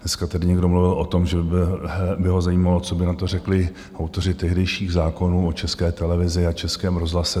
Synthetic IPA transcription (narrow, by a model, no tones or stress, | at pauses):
dnɛskat̪adɪɲɛɡdo̞mluvɪlʔot̪o̞mʒɛbbɪɦo̞zajiːmalo̞t͡sobɪnat̪o̞rɛklɪ | ʔawt̪o̞r̝ɪt̪ɛɦdɛjʃiːɣzaːko̞nuːot͡ʃɛskɛːt̪ɛlɛvɪzɪat͡ʃɛskɛːmɾozɦlasɛ